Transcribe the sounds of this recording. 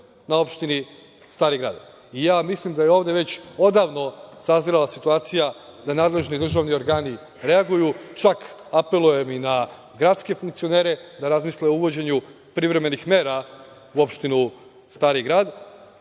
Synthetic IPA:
nao̞pʃt̪ini | st̪aːɾiɡɾa̰ːd̪ | ijaːmislimd̪ajeo̞ːʋd̪e̞ʋe̞t͡ɕo̞d̪aːʋno̞saziɾalasit̪uaːt̪sijad̪anaːd̪le̞ʒnid̪r̩ʒaːʋnio̞ɾɡaːni | ɾe̞aɡujut͡ʃak | ape̞lˠuje̞mina | ɡɾat̪ske̞fuŋk̚t̪sio̞ne̞ːɾe̞d̪aɾazmisleouʋo̞d͡ʑe̞ɲu | pɾiʋɾe̞me̞nixme̞ːɾa | uo̞pʃt̪inu | st̪aːɾiɡɾaːd̪

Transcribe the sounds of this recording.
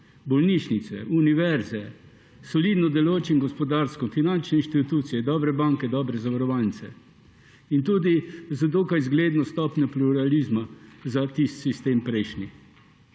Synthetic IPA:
bɔlniʃnit̪sɛ̰ʔuniʋɛɾzɛ | sɔlid̪nɔd̪ɛloːt͡ʃimɡɔspɔd̪aɾskɔnfinant͡ʃnɛinʃt̪it̪uːt̪sijɛd̪ɔːbɾɛbaŋkɛd̪ɔːbɾɛzaʋaɾɔʋalnit̪sɛ | int̪uːd̪izad̪oːkajzɡleːd̪nɔst̪ɔpnʲjɔpluɾaliːzmazat̪ist̪sist̪eːmpɾɛjʃni

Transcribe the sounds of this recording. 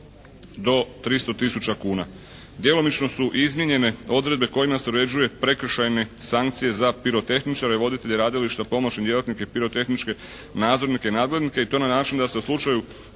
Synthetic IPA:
d̪o̞t̪ɾist̪o̞t̪isut͡ʃakuːna | d̪jelo̞mit͡ʃno̞suʔizmjeɲe̞ne̞o̞d̪ɾe̞d̪̚be̞ko̞imase̞uɾe̞d͡ʑuje̞pɾe̞kr̩ʃajne̞saŋk̚t̪sije̞zapiɾo̞t̪e̞xnit͡ʃaɾiʋo̞d̪it̪e̞ʎeɾaːd̪iliʃt̪apo̞mot͡ɕnid̪je̞lat̪nikepiɾo̞t̪e̞xnit͡ʃke̞ | naːd̪zo̞ɾnikenaːd̪ɡled̪nike̞it̪o̞ːnanaːt͡ʃind̪ase̞uslˠut͡ʃaju

